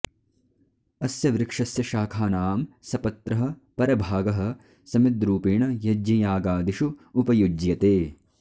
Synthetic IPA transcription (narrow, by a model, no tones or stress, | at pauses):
ɐsjɐʋɾɪkʂɐsjɐʃaːkʰaːnaːmsɐpɐt̪ɾɐɦɐ̆pɐɾɐbʱaːɡɐɦɐ̆ | sɐmid̪ɾuːpiːɳɐjɐd͡ʒijaːɡaːd̪iʃuːpɐjud͡ʒjɐt̪eː